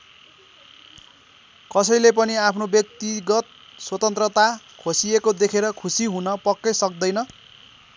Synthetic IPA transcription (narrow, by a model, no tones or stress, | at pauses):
kʌsʌjlep̬ʌniapʰnobjʌk̚t̪iɡʌt̪̚ | swʌt̪ʌnt̪rʌt̪a | kʰosiekod̪ekʰeɾʌkʰusiɦunʌpʌkːesʌk̚d̪ʌjnʌ